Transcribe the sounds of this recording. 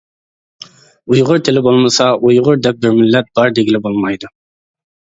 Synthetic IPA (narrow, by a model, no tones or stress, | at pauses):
ujʁʊɾt̪ʰɪlɪbolˠmɑsɑujʁʊɾd̪ɛp̚bɪɾmɪlːɛt̪̚b̥ɑɾd̪eɡʲilɪbolˠmɑjd̪ʊ